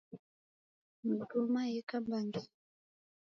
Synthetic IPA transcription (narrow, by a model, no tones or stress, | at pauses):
mutumajekambaŋɡi